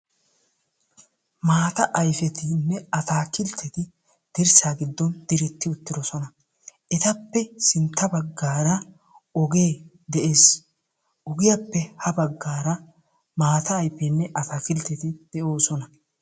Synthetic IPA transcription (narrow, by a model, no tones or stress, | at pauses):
maːt̪ɐʔɐjfɛt̪ɪnːɛɐt̪aːkɪlt̪ʰːɛt̪ɪ | d̪̥ɪɾsaːɡɪd̪ːɔnd̪̥ɪɾɛt̪ːɪʊt̪ːɪd̪ɔsɔnɐ | ɛt̪ɐpːɛsɪnt̪ːɐbɐɡːaːɾɐ | ɔɡe̞ː | d̪ɛʔe̞ːs | ʔɔɡɪjɐpːɛhɐbɐɡːaːɾɐ | maːt̪ɐːjfɛnːɛʔɐt̪aːkɪlt̪ːɛt̪ɪd̪̥ɛʔo̞ːsɔnɐ